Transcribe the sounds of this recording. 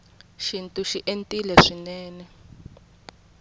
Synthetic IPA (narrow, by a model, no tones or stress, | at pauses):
ʃintʼuʃiʔentʼilɛʂinɛːnɛ